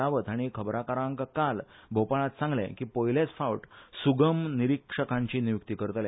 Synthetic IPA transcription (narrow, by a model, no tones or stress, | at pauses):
aʋət̪aɽ̃ikʰəbɾakaɾãŋkkalbʱopaɭat̪sãŋɡlḛ̃kiːpojilet͡sfaʋʈsuɡəmniɾikʂəkãɲt͡ɕinijuk̚t̪ikəɾt̪le